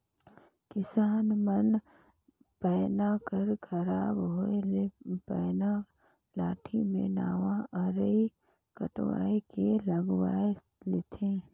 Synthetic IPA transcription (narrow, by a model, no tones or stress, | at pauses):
kɪsaːnmən | pɛːnakəɾkʰəɾaːbɦoelpɛːna | laːʈʰimẽna̰ːʋãʔəɾəi | kə̰ʈwa̰ːekeləɡwaːe | let̪ʰẽː